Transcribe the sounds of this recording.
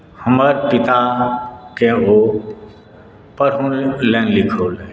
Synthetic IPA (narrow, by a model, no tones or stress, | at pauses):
həməɾpɪt̪akeɦo | pəɾɦunlɛ̃ːnlɪkʰoːle